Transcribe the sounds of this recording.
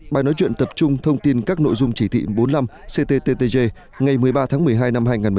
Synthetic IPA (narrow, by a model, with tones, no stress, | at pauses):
ɓaː˨˩jnɔ˨˦jt͡ɕwḭ˧˨ənt̪ə˨˩p̚t͡ɕʊ˧ŋ͡mt̪ʰə˧wŋ͡mt̪i˧nkaː˦˥k̚no̰˧˨jzʊ˧ŋ͡mt͡ɕi˧˩t̪ʰḭ˧˨ɓo˨˦nla˧m | se˧t̪e˧t̪e˧t̪e˧ze˧ | ŋa˨˩jmɨ˨˩əjɓaː˧t̪ʰaː˨˦ŋmɨ˨˩əjɦaː˧jna˧mɦaː˧jŋaː˨˩nmɨ˨